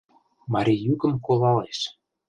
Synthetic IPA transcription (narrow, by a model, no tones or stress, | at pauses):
mɑɾʲijykə̆mkolˠɑleʃ